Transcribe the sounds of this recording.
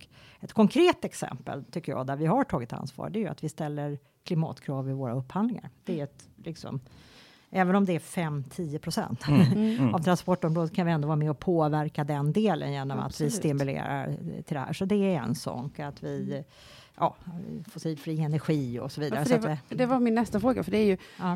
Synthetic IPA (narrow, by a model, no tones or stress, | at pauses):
ɔkɛt̪kʰɔŋkʰɾeːt̪ɛksɛ̰mpə̰lt̪ʰʏkːəjɑ̰ːd̪æɾvɪɦaʈʰɑːɡɪt̪a̰nsvɑ̰ːɾɖɛæɾjʉa̰t̪vɪst̪ɛlːəɾ | kʰlɪmɑ̰ːt̪kʰɾɑːvɪvoːɾaɵpːhand̪lɪŋa̰ɾd̪̥ɛæɾɛt̪lɪksɔ̰m | ʔɛːvənɔmd̪ɛæfɛmt̪ʰiːəpʰɾʊsɛ̰nt̪avt̪ʰɾanspɔʈːɔmɾoːd̪əskʰanvɪɛnd̪ovɑːɾamɛɔpʰoːvæɾkad̪ɛnd̪eːlə̰njeːnɔma̰t̪vɪsst̪ɪmʉlḛːɾa̰ɾt̪ʰɪld̪ɛhæ̰ːʂɔd̪ɛæɾɛ̰nsɔ̰kat̪vɪ | jɑ̰ːfɔsiːlfɾiːɛnæɾɧiːɔ̰sɔviːd̪aɾəssad̪ɛvamɪnːɛst̪afɾoːɡa̰fəɖɛæɾjɵ